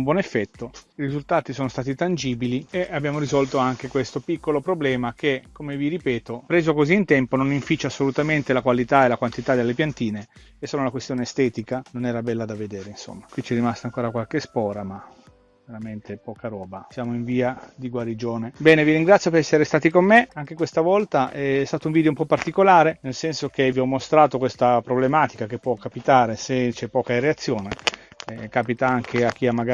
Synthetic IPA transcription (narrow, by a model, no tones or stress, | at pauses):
umbwɔnefːɛt̪ːoiɾizult̪aːt̪isoːnost̪aːt̪it̪and͡ʒiːbilieabːjaːmoɾizɔlt̪oaŋk̟ekwest̪opikːolopɾoblɛːmakekomeviɾipɛːt̪opɾeːzokoziːnt̪ɛmpononiɱfit͡ʃːasːolut̪ament̪elakwalit̪aelakwant̪it̪ad̪elːepjant̪iːne | esːoːlolakwest̪joːneːst̪ɛːt̪ikanonɛːɾabɛlːad̪aved̪eːɾeinso̰mːakwit͡ʃɛrːimast̪aːŋkoːɾakwalkespɔːɾama | veɾament̪ʰepɔːkaɾɔːbasjaːmoiɱviːad̪iɡwaɾid͡ʒoːnebɛːneviɾiŋɡɾat̪sjopeɾɛsːeɾest̪aːt̪ikomːeaŋk̟ekwest̪avɔlt̪aʔɛɛst̪aːt̪ouɱviːd̪joumpɔpːart̪ikolaːɾenelsɛnsok̟eviɔmːost̪ɾaːt̪okwest̪apɾoblemaːt̪ikakepːwɔkːapit̪aːɾeset͡ʃɛpːɔːkareat̪sːjoːneɛkaːpit̪aaŋk̟ʰeak̟ːiamːaɡa